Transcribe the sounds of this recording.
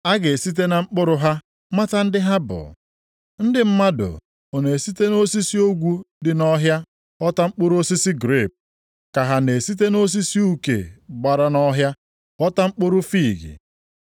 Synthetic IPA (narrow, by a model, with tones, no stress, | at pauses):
a˦ɡe˨si˦t̬e˦na˨ŋ͡m̩˦k͡pʊ˦ɾʊ˦ɦa˦ | ma˦ta˦n̩˦dɪ˦ɦa˦bʊ̰˨ | n̩˦dɪ˨m̩˦ma˦dʊ̰˨ | o˨ne˨si˦te˦no˦si˦si˦o˦ɡʷu˦dɪ˨nɔ˦ɦja˦ | ɔ˦ta˦ŋ͡m̩˦k͡pʊ˦ɾʊ˦o˦si˦si˦ɡɾe˦˨p̚ | ka˨ɦa˦ne˨si˦t̬e˦no˦s̬i˦si˦u˦kḛ˨ɡ͡ba˨ɾa˦nɔ˦ɦja˦ | ɔ˦ta˦ŋ͡m̩˦k͡pʊ˦ɾʊ˦fi˦˨ɡɪ̰˨